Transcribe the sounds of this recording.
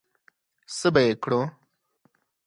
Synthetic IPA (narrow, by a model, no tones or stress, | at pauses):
səbaekɽõ